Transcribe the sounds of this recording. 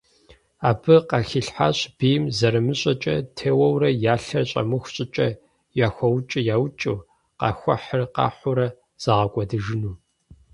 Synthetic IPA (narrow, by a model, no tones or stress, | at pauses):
aːbɨqɑxiɬħaɕb̥iːjmzɐɾɨmɨɕʼɐt͡ʃʼɐ̰tʰeːwɐwrɐjaːɬɐrɕʼɐ̰mɨxʷɕʼɪt͡ʃʼɐ | jaːxʷɔwt͡ʃʼɪjaːwt͡ʃʼɨ | qɑ̰xʷɐħərqɑ̰ːħʷʊɾɐ | z̥ɐʁɐkʷʼɔdɨʒɨnuː